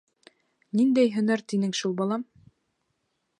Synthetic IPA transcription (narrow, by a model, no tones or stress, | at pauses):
nind̪æjɦɵ̆næɾt̪inɘŋʃulˠbɑlˠɑm